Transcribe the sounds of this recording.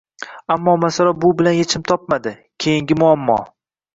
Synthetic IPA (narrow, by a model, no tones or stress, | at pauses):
amːɒmasaɾabʊbɪlanjet͡ʃʰɪmt̪ʰɒp̚mad̪ɪ | kʲʰejɪŋɡʲɪmʊamːɒ̰